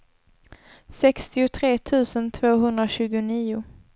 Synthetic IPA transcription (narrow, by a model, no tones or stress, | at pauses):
sɛkst̪ɪʊt̪ʰɾeːt̪ʰʉ̟ːsənt̪ʰv̥oːɦɵnd̪ɾaɕʉ̟ːɡʊniːʊ